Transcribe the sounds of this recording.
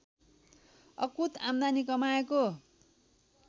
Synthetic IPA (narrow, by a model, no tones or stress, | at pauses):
ʌkut̪amd̪anikʌmaeko